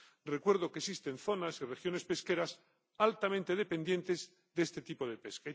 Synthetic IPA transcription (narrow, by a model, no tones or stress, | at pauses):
re̞kwe̞ɾð̞o̞kesist̪e̞nθo̞nasirexjo̞ne̞spe̞ske̞ɾas | alt̪amẽnt̪eðe̞pe̞nd̪je̞nt̪ez | ðeest̪et̪ipo̞ðe̞peska